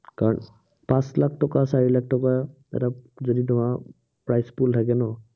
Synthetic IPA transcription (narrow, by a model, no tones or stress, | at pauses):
kaɹɔn | pãslakʰtɔkasaɹilak̚ʰtɔka | ɛ̰ta | zoditʊma | pɹajspultʰakɛnɔ